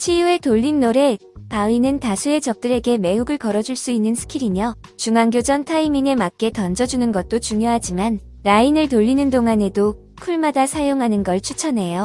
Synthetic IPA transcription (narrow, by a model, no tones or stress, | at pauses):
t͡ɕʰijue̞toʎːinːoɾe̞ | painɯntasʰue̞t͡ɕʌp̚t͈ɯɾe̞ɡe̞me̞ɦuɡɯɭkʌɾʌd͡ʑuɭs͈uinːɯnsʰɯ̥kʰiɾimjʌt͡ɕuŋaŋɡjod͡ʑʌntʰaimiŋe̞mak̚k͈e̞tʌnd͡ʑʌd͡ʑunɯnɡʌt̚t͈ot͡ɕuŋjoɦad͡ʑiman | ɾainɯɭtoʎːinɯndoŋɦane̞do | kʰuɭmadasʰajoŋɦanɯnɡʌɭt͡ɕʰut͡ɕʰʌne̞jo